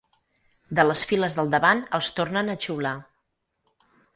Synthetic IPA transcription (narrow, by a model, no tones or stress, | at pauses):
d̪ələsfiləzðəlˠd̪əβanəlˠst̪ornənət͡ʃiwla